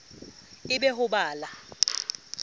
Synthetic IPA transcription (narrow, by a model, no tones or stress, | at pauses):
ɪɓɛhʊɓaːla